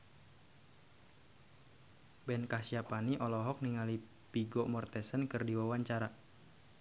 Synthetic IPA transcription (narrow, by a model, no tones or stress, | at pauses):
bɛnkahsiapaniʔɔlɔɦɔk̚niŋali | piɡɔmɔrt̪ɛsənkɨrdiwawaɲt͡ʃaɾa